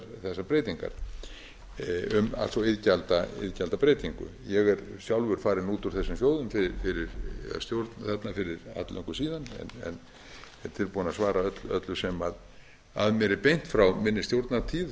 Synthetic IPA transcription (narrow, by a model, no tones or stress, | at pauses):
θɛsːapɾejt̪iŋka̰ɾ̥ | ʏma̰lsɔɪðcalt̪aɪ̰ðcalt̪apɾeːjt̪iŋkʏ̰ | jɛɣɛɾsjawlvʏɾ̥faːɾɪnuːt̪uɾ̥θɛsːʏmsjoːwðʏmfɪfɪɾɪɾst̪jowɾt̪nθɛt̪nafɪɾɪɾa̰t̪lœ̰ŋkʏsiːðanɛ̰nɛ̰n | ɛɾ̥t̪ʰɪlpuːnasvaːɾaœt̪lœt̪lʏsɛmað | a̰ðmɛɾɪpejn̥t̪fɾawmɪnːɪst̪jowɾt̪nat̪ʰiːð